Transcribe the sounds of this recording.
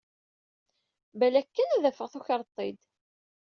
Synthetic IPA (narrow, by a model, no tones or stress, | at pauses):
bælækːənæðæfəʁθuçəɾˤt̪ˤːid̪